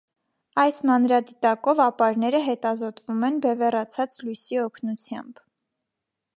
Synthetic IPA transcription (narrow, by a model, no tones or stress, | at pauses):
ɑjsmɑnɾɑd̪it̪ɑkɔvɑpɑɾnɛɾəɦɛt̪ɑzɔt̪vumɛnbɛvɛrɑt͡sʰɑt͡slujsiɔkʰnut͡sʰjɑ̰mb